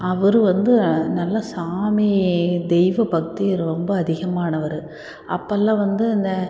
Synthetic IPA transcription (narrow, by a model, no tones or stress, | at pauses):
ɐʋɐɾɯʋɐnd̪ɯnɐlːɐsaːmid̪ɛjʋɐbɐk̚t̪ijɐɾɯɾɔmbɐːðɪɣɐmaːnɐʋɐɾɯ | ʔɐ̰pːɐlːãːʋɐnd̪ɯɪnd̪ɐ